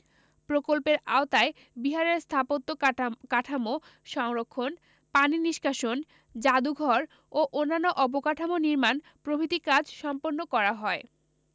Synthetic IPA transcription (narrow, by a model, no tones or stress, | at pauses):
pɾokolpeɾaot̪ae | biɦaɾeɾst̪ʰapot̪ːokaʈʰamo | ʃɔŋɾokʰːon | paniniʃkʰaʃon | d͡ʑad̪uɡʱɔɾ | oʔonːanːoʔɔpokaʈʰamoniɾman | pɾobʱit̪ikad͡ʑʃɔmponːokɔɾaɦɔe